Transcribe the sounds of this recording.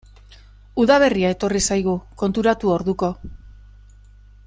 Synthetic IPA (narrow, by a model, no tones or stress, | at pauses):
uðaβ̞e̞riae̞t̪o̞risajɣ̞uko̞nt̪uɾat̪uo̞ɾðuko̞